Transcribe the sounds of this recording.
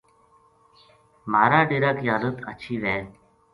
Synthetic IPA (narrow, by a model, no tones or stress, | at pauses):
maːɾaːɖiɾaːkjaːd̪ət̪ə̰t͡ʃʰiːʋɛː